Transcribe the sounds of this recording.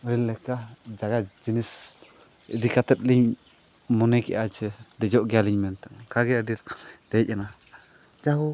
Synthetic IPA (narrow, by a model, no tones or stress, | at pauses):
əɾilːɛkad͡ʒaɡad͡ʒinis | ə̰d̪ikat̪ɛt̪̚liɲ | mɔnɛkɛ̰ʔat͡ʃɛd̪ɛd͡ʒɔʔɡɛjaliɲmɛnt̪ɔŋkʰaɡɛəɖild̪̥ɛc̚ana | d͡ʒaɦu